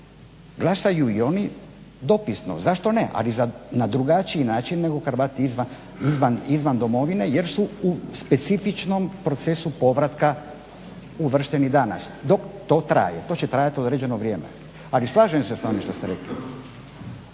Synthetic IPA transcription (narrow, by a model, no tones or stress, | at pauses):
ɡlˠasajuio̞ni | d̪o̞pisno̰zaʃt̪o̞neʔa̰lizanad̪ɾuɡat͡ʃiinaːt͡ʃinːe̞ɡo̞xɾʋat̪iizʋa | izʋanizʋand̪o̞mo̞ʋine̞je̞ɾsuuspe̞t̪sifit͡ʃno̞mpɾo̞t̪se̞supo̞ʋɾat̪ka | uʋr̩ʃt̪enid̪ana̰sd̪o̞kt̪o̞t̪ɾa̰ːjet̪o̞ːt͡ɕet̪ɾaːjat̪io̞d̪ɾe̞d͡ʑe̞noʋɾʲjeːmḛ | alislˠaːʒemseso̞niʃt̪o̞st̪eɾeklḭ